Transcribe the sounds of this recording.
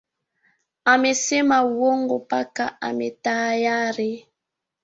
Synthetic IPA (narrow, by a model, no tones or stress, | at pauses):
amesemawoŋɡopakaametaːjaɾe